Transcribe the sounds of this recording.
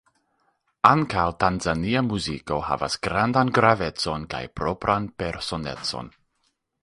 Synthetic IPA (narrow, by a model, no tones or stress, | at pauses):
aŋkawtanzaniamuziko̞ha̰va̰sɡɾandanɡɾave̞t͡so̞nka̰jpɾo̞pɾanpe̞ɾso̞ne̞̰t͡so̰n